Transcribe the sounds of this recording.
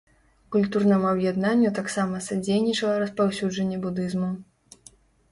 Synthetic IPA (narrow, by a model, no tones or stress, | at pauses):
kulʲt̪urnɐmuɐbjɛd̪nanʲːut̪aksamɐsad͡zʲejnʲit͡ʂɐlˠɐɾɐspawsʲud͡ʐɐnʲːɛbud̪ɨzmu